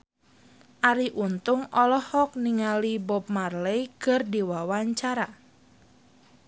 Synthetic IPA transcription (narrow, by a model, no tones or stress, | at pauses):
ʔaɾiʔunt̪ʊŋɔlɔhɔk̚niŋalibɔp̚marlɛjkərdiwawaɲt͡ʃaɾa